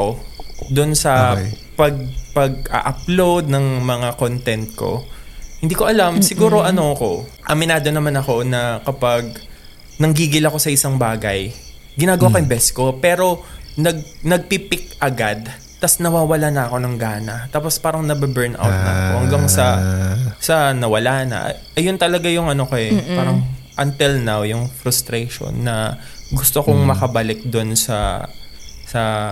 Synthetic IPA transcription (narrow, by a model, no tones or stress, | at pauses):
od̪ʊnsɐ | pɐɡ̚pɐɡ̚ʔa̰ʔɐplowd̪̚nɐŋmɐŋakont̪ɛnt̪̚ko̞̰hɪnd̪iːko̞ʔɐlamsɪɡuːɾo̞ʔɐnoɐko̞ | ʔɐmɪnaːd̪o̞nɐmanɐko̞nɐkɐpaɡ̚ | nɐŋɡiːɡɪlɐko̞sɐʔɪsaŋbaːɡɐj | ɡɪnaːɡɐwakɐjɪmbɛsko̞pɛːɾo̞nɐɡ̚nɐɡ̚pipɪk̚ʔɐɡad̪ | t̪ɐsnɐwaːwɐlanɐɐko̞nɐŋɡaːnɐt̪aːpo̞spaːɾɐŋnɐbɪbɛɹnʔa̰wt̪̚nɐɐkohɐŋɡaŋsɐ | sɐnɐwɐlaːnɐ̰ʔ | ʔɐjont̪ɐlɐɡajʊŋɐno̞koɛpaːɾɐŋʔɐnt̪ɪlnawjʊŋfɾʊst̪ɾɛjʃo̰nːɐ | ɡʊst̪okoŋmɐkɐbɐlɪk̚d̪onsɐ̰ | sɐ